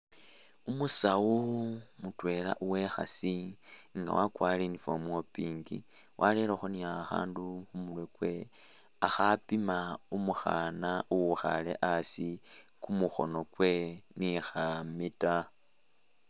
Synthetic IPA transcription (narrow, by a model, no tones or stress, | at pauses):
umusawumutwe̞ːla̰ʔuwe̞xa̰siŋɡa̰wakwalinifomuopiːŋɡḭ | wʔaleloxoniaxa̰ːnduxumulwekwe̞ | axapimaumuxanauwuxa̰lḛʔasi | kumuxo̞̰nokwe̞nixamita